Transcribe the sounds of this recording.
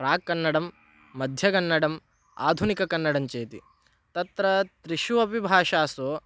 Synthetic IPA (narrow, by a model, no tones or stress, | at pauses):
pɾaːkːɐnːɐɽɐmː | ɐd̪ʱjɐɡɐnːɐɽɐm | a̰ːd̪ʱunikɐkɐnːɐɽɐmt͡ʃeːt̪ḭ | t̪ɐt̪ɾɐt̪ɾiʃuʋɐpibʱaːʃaːsoː